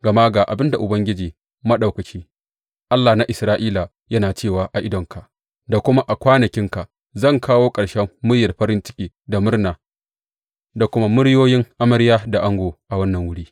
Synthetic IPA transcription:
ɡɐ˨ma˦ɡaː˨ʔa˨bɪ˦nda˨ʔʊ˨bɐ˦ŋɡʲɪ˦d͡ʒiː˨ | mɐ˦ɗa˨wkɐ˨t͡ʃiː˦ | ʔa˦lːaː˨na˦ʔɪ˨sɾaː˦ʔiː˦la˨ | jɐ˦naː˨t͡ʃeː˦˨waː˨ʔa˨ʔɪ˦dɔ˨ŋkʰa˨ | da˨kʷʊ˦ma˦ʔa˨kʷaː˦nɐ˨kʲɪ˦ŋka˨ʔ | zɐ˦˨ŋkʰaː˦woː˦kʼɐ˨ɽʃɛ˦mːʊ˦ɽjɐ˨rɸɐ˦ɾɪ˦nt͡ʃɪ̥˦kʲiː˨da˨mʊ˦rnaː˨ | da˨kʷʊ˦ma˦mʊ˦ɽjoː˦jɪ˦ŋʔa˦mɐ˦ɾjaː˦da˨ʔa˦ŋɡoː˨ʔa˨wɐ˦nːɐ˨ŋwʊ˦ɽiː˦

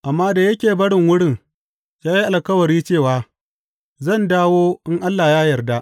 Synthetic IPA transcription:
ʔa˨mːaː˦da˨jɐ˦kʲeː˨bɐ˦ɽɪ˨ŋwʊ˦ɽɪ˦˨ŋ | jaː˦ji˦ʔa˨lkɐ˦wɐ˨ɽiː˦t͡ʃeː˦˨waː˨ | zɐ˦˨ndaː˦woː˦ʔɪ˦ŋʔa˦lːa˨jaː˦jɐ˨rda˦ʔ

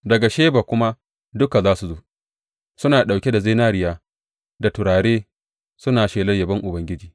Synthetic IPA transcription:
dɐ˨ɡa˨ʃeː˦baː˨kʷʊ˦ma˦ | dʊ˦ka˨zaː˦su˨zoː˦ | sʊ˦naː˨ɗa˨wkʲe˦da˨zeː˦naː˦ɾɪ˦jaː˦ | da˨tʊ˨ɾaː˨ɽeː˦ | sʊ˦naː˨ʃeː˨lɐ˦rjɐ˨bɐ˦ŋʔʊ˨bɐ˦ŋɡʲɪ˦d͡ʒiː˨

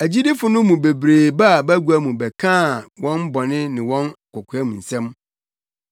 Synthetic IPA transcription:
æ˨d͡ʑi˦di˦fʊ˨nʊ̃˦mũ˨be˨bɾeː˨ba˦˨bæ˦ɡu˨˦æ˦mũ˨bɛ˨kʰãː˦˨wɔ̃˦nbɔ˨nɪ̃˦nɪ̃˨wɔ̃˦na˨kʰɔ˨kʰʊ˨æ˦mũ˨n̩˨sɛ̃˦m

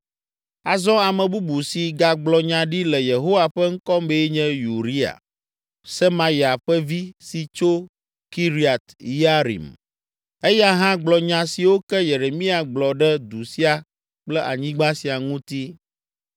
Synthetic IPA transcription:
a˨zɔ̃˦a˨mɛ̃˨bu˦bu˨si˨ɡa˨ɡ͡blɔ˨ɲã˨ɖi˦lɛ˨je˨ɦo˦wa˨ɸɛ˦ŋ̩˦kɔ˦mbe˦ɲɛ̃˦ju˨ɾi˦a̰˨ | sɛ˦ma˨ji˨a˨ɸɛ˦vi˦si˨t͡ʃo˦ | ki˦ɾi˦a˨t̪i˦a˦ɾḭ˨m | e˦ja˦ɦã˦ɡ͡blɔ˨ɲã˨si˨wo˦kɛ˦je˨ɾe˨mĩ˦a˨ɡ͡blɔ˨ɖɛ˦d̪u˨si˦a˨ | k͡plɛ˦ʔa˨ɲĩ˦ɡ͡ba˦si˨a˨ŋũ˦t̪i˦

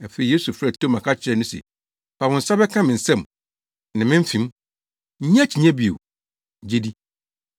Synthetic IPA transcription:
ɛ˨fe˨˦i˨je˦su˨fɾɛ˨tʰo˦mã˨kʰa˦t͡ɕʰɪ˨ɾɛ˦˨nʊ̃˦sɛ̰˨ | pʰa˨wʊ̃˨n̩˨sa˦bɛ˦kʰã˦mɪ̃˨n̩˨sɛ̃˦˨m | nã˨mɪ̃˦m̩˦fĩ˨m̩˦ | ɲ˦ã˦t͡ɕʰi˨ɲɛ̃˦bi˨o̰˨ | d͡ʑe˦di˦

